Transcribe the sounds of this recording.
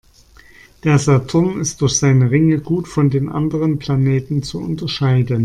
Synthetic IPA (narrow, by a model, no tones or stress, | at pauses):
d̥eːɐzatʰʊɐmɪst̚d̥ʊɐçz̥aɪnəʁɪŋəɡuːtfɔndeːnʔa̰ndəʁ̞ənpl̥aneːtn̩t͡suʊ̰ntɐʃaɪdən